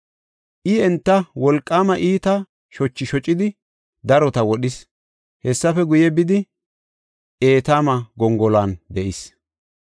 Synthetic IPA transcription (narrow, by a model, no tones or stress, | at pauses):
ʔɪɛnt̪ːɐwɔlkʼːaːmɐʔiːt̪ɐ | ʃɔt͡ʃːɪʃɔt͡ʃʼːɪd̪ɪ | d̪ɐɾɔt̪ɐwɔɗɪs | hɛsːɐfɛɡʊjɛbɪd̪ɪ | ʔe̞ːt̪aːmɐɡɔŋɡɔlaːnd̪ɛʔɪs